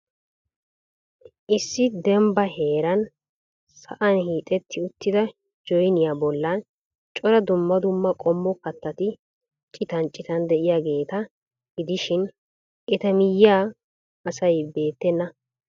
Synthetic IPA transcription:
ʔɪsːɪd̪ɛmbɐhe̞ːɾɐn | sɐ̰ʔɐnhiːt̪ʼɛt̪ʰːɪʊt̪ːɪd̪ɐ | d͡ʒɔjnɪjaːbɔlːɐn | t͡ʃʼɔɾɐd̪ʊmːɐd̪ʊmːɐkʼɔmːɔkɐt̪ːɐt̪ɪ | t͡ʃʼɪt̪ɐnt͡ʃʼːɪt̪ɐnd̪ɛʔɪjaːɡe̞ːt̪ɐ | ɡɪd̪ɪʃɪn | ʔɛt̪ɐmɪjːaː | ɐsɐjbe̞ːt̪ːɛnːɐ

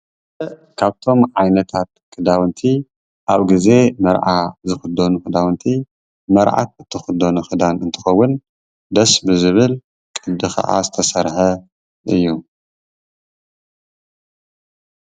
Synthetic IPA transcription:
kʰaβt̪ʰo̞mʕajnɐt̪ʰat̪̚kʰɨd̪awɨnt̪ʰi | ʔaβɡize̞mɐɾʔazɨxɨd̪onuxɨd̪awɨnt̪ʰi | mɐɾʕa̰t̪̚ɨt̪ʰːɨxɨd̪onuxɨd̪anɨnt̪ʰɨ̥xɐwːʊn | d̪ɐsbɨzɨβɨl | kʼɨd̪ɨxʰɐ̰ʔa̰zɨt̪ʰɐsɐɾħɐ | ʔɨjːu

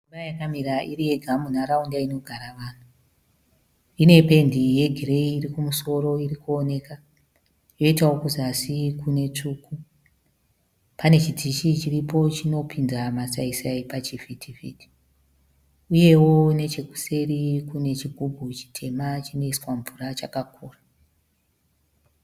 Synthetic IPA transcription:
umajakamiɾaʔirije̞ɡʱamunaɾaundaino̞ɡʱaɾaʋaːnu | ine̞pe̞ndije̞ɡʱireiːrikumuso̞ɾo̞irikuone̞ka | jo̞itawo̞kuzasikune̞t͡ʂuːku | pane̞t͡ʃidiʃit͡ʃiripo̞t͡ʃino̞pʰinzamasaisaipat͡ʃivitʰivḭːti̥ | uje̞wo̞ne̞t͡ʃe̞ku̥se̞rikune̞t͡ʃiɡʱubʱut͡ʃi̥tʰe̞mat͡ʃino̞iswaɱvurat͡ʃakakʰuːra

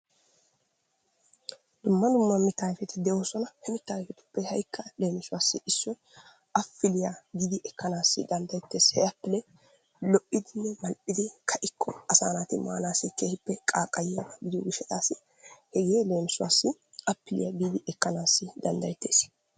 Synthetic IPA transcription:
d̪̥ʊmːɐd̪ʊmːɐmɪt̪ːaːjfɛt̪ɪd̪ɛʔo̞ːsɔnɐhɛmɪt̪ːaːjfɛt̪ʊ̥pːɛhɐjkːɐle̞ːmɪsʊwaːsːɪɪsːɔj | ʔɐfːɪlɪjaɡɪd̪ɪʔɛkːɐnaːsːɪ̰d̪ɐnd̪ɐjɛt̪ːe̞ːshɛɐpːɪlɛ | lɔʔɪd̪ɪnːɛmɐlʔɪd̪ɪkʰɐʔɪkʰːɔɐsaːnaːt̪ɪma̰ːnaːsːɪkeːhɪpːɛkʼaːkʼːɐjjɐɡɐɡɪd̪ɪjɔ̰ɡɪʃːɛt̪aːsɪ | hɛɡeːle̞ːmɪsʊwa̰ːsːɪ | ɐpːɪlɪ̰jɐɡiːd̪ɪʔɛkːɐnaːsːɪd̪ɐnd̪ɐjɛt̪ːe̞ːs

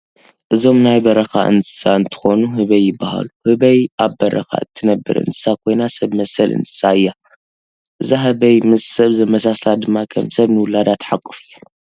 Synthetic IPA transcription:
ʔɨzo̞mnajbɐɾɐxa̰ʔɨ̰nt̪ʰɨ̥saɨnt̪ʰɨ̥xo̞nuhɨβɐjːɪbːaha̰luhɨβɐjʔaβbɐɾɐ̰xa̰ɨt̪ʰːɨnɐbːɨ̰ɾɨ̰nt̪ʰɨsakʰo̞jnasɐβmɐsɐlʔɨ̰nt̪ʰɨ̥saɨjːa | ʔɨzaɦɐβɐjmɨzsɐβzɐmɐsaslad̪ɨmːakʰɐ̰msɐβnɨwʊlad̪at̪ʰħakʼːɨ̥fijːu

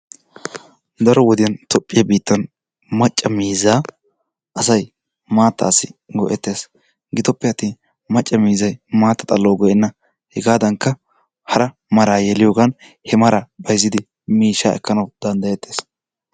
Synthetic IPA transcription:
d̪ɐɾɔwɔd̪ɪjɐnt̪ʰɔpʼːɪjɐbiːt̪ːɐn | mɐt͡ʃʼːɐmiːzaː | ʔɐsɐj | maːt̪ːa̰ːsːɪɡɔʔɛt̪ːeːs | ɡɪt̪ɔpːɛɐt̪ːiːn | mɐt͡ʃʼːɐmiːzɐjmaːt̪ːɐt̪ʼɐlːoːɡɔjɛnːɐ | hɛɡaːd̪ɐŋkːɐ | hɐɾɐ | mɐɾaːjɛlɪjo̞ːɡɐn | hɛmɐɾabɐjzɪd̪ɪ | miːʃːa̰ːɛ̰kːɐnɐwd̪ɐnd̪ɐjɛt̪ːe̞ːs

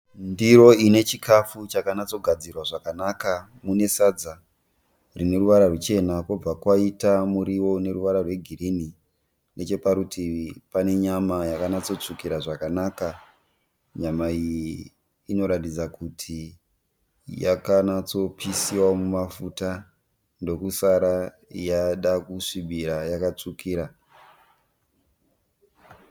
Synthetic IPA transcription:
ndiɾo̞ine̞t͡ʃikʰafut͡ʃakanat͡so̞ɡʱad͡zirwaʐakanaka | mune̞sad͡za | rine̞ruʋaɾarwet͡ʃe̞nako̞b͡vakwaitamuɾiwo̞ne̞ruʋaɾarwe̞ɡʱiɾini | ne̞t͡ʃe̞paɾutipane̞ɲamajakanat͡so̞t͡ʂukiɾaʐakanaːka | ɲamaijiː | no̞ɾatid͡zakutʰi | jakanat͡so̞pʰisiwamumafuta | ndo̞kusaɾa | jaɗakuʂiɓiɾajakat͡ʂukiːɾa

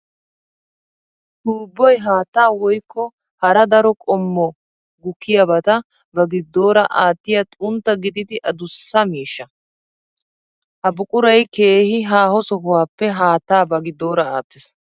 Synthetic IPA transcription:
d̪uːbːɔjɦaːt̪ːaːwɔjkʰːɔ | hɐɾɐd̪ɐɾɔkʼɔmːɔ | ɡʊkʰːɪjɐbɐt̪ɐ | bɐɡɪd̪ːo̞ːɾɐʔaːt̪ːɪjɐt̪ʼʊnt̪ːɐɡɪd̪ɪd̪ɪʔɐd̪ʊsːɐmiːʃːɐ | hɐbʊkʼʊɾɐjkeːhɪɦaːhɔsɔɦʊwaːpːɛɦaːt̪ːaːbɐɡɪd̪ːo̞ːɾɐaːt̪ːɪs

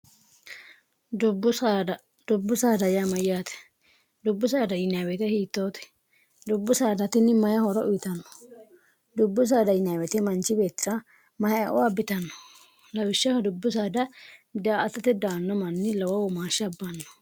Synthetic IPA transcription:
dbʊadɐ | d̪̥ʊbːʊsaːd̪ɐjamɐjɪjaːt̪ɛ̥ | d̪ʊbːʊs̬aːd̪ɐjɪnaːwɛt̪ɛhiːt̪ːoːt̪ɛ̥ | d̪ʊbːʊsaːd̪ɐt̪ɪnɪmɐjɐhɔɾɔʔʊjɪt̪ɐnːɔ̥ | d̪ʊbːʊs̬aːd̪ɐjɪnawɛt̪ɛmɐnt͡ʃɪbe̞ːt̪ːɪɾɐ | mɐjɐɐʔɔ̰wabɪt̪ɐnːɔ̥ | lɐwɪʃːɐhɐd̪ʊbːʊs̬aːd̪ɐd̪aːʔɐt̪ːɐt̪ɛd̪aːnːɔmɐnːɪlɐwɐwɔmaːʃɪɐbːɐnːɔ̥

